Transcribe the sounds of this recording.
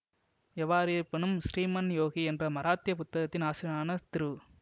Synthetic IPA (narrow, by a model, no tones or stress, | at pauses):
ɛʋːaːɾɯjɪpːɐnɯmsɾiːmɐnjoːɣiɛndrɐmɐɾaːt̪ːɪjɐpʊt̪ːɐɣɐt̪ːɪnaːsɪnaːnɐt̪ɪɾɯ